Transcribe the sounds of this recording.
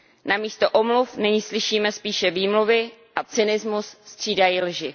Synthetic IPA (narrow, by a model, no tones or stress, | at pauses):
namiːst̪oʔomlufnɪɲiːslɪʃiːmɛspiːʃɛviːmluvɪʔat͡sɪnɪzmusst̪r̝̥iːdajilʒɪ